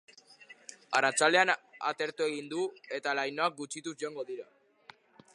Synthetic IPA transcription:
arat͡sale̞ana̰t̪e̞ɾt̪ue̞ɣ̞ind̪ue̞t̪alajno̞ak̚ɡut͡ʃit̪uzʝoaŋɡo̞ðiɾa

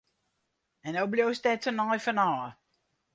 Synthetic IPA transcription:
ɛnowbljowstɛtsənɔjfənɔː

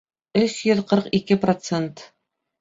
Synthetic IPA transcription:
ɵʃjɵðqɤɾqikɘprot̪sent̪

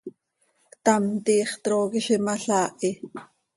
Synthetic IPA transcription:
t̪ɑmt̪iːχt̪ɾoːkiʃimɑɬaːʔi

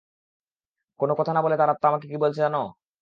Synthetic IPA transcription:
konokɔt̪ʰanabolet̪aɾat̪ːaamakekibolt͡ɕʰed͡ʑano

